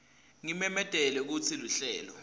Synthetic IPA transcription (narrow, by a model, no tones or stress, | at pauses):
ŋimɛmɛd̥ʱɛlɛk̬ut͡sʰiluɬɛːlɔ